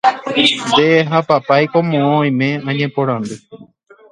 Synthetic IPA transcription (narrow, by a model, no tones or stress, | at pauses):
nd̪eːɦapapajkõmõõj̃mẽ̞ãɲẽpõɾ̃ãnd̪ɨ